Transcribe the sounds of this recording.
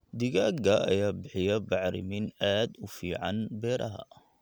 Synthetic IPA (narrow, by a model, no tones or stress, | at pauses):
d̪ɪɣaːɡɐɐ̰jaːbɪħɪjɐbɑʕɾɪ̰mɪnaːd̪ʊfiːʕɑ̰nbɛːɾʔɐɦɐ̰